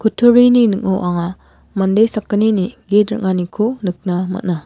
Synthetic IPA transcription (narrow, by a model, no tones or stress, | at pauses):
kʰutʰuɾininɯkoʔaŋa | mandejsakːɐniniɡetɾɐ̰kŋanikʰonɯk̚namɐ̰t̚na